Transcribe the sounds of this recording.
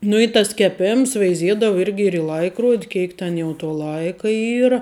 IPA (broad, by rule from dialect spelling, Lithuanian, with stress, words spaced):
nʊ ɪ tɐs kʲɛˈpʲeːms ʋʲɛɪˈzʲiɛdɐʋʊ ˈɪrʲɡʲɪ ɪr ɪ ˈlˠɐɪkroːtʲ ˈkʲeːɪk tʲɛn jɛʊ toː ˈlˠɐɪkɐ ˈiːrɐ